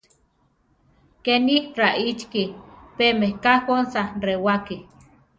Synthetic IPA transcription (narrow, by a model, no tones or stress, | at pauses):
kenihraʔit͡ʃkipemehkakonsarewaki